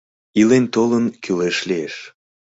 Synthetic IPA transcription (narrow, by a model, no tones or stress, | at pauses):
ilent̪olənkyleʃlieʃ